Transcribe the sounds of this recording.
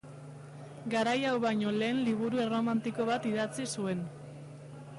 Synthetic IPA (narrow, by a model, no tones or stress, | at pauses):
ɡaɾajawβajɲo̞le̞ːnliβ̞uɾue̞romant̪iko̞βat̪iðat͡sisue̞n